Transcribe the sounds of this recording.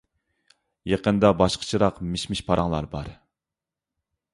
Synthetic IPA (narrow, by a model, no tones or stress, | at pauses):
jeqənd̪ɑbɑʃqʰə̥t͡ʃʰiɾɑqmɪʃmɪʃpʰɑɾɑŋlˠɑ̰ɾbɑɾ